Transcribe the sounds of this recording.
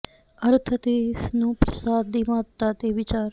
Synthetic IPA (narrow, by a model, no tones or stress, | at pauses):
əɾt̪ʰt̪eːɪsnũːpɾəsaːd̪ːiːmaːt̪ːaːt̪eːʋɪt͡ʃaːɾ